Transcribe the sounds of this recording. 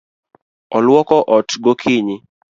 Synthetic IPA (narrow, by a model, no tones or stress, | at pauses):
ɔlwɔkɔʔɔtɡokʰiɲɪ